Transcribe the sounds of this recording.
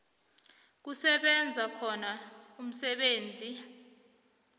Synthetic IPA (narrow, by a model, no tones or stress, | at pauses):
k̬usɛɓɛnd͡zʱakʰɔnaum̩sɛɓeːnd͡zʱi